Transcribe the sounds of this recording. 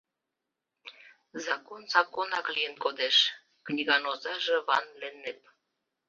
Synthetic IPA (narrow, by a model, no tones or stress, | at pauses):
zɑkonzɑkonɑklijənkod̪eʃ | knʲiɣɑnozɑʒeβɑnlenːep̚